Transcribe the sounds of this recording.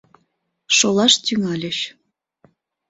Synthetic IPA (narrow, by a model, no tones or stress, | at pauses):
ʃolˠɑʃt̪yŋælʲə̆ɕ